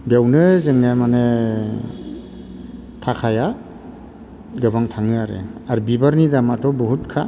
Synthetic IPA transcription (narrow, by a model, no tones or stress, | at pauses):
bjawnɯzeŋnamane | tʰakʰaja | ɡɯbaŋtʰaŋɯaɾḛaɾbibaɾnidamatɔbɔɦut̚kʰa